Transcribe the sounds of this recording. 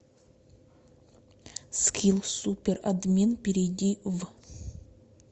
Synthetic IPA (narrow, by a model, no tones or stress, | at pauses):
skʲʰilˠsupʲɪrɐd̪mʲenpʲɪɾʲɪdʲiv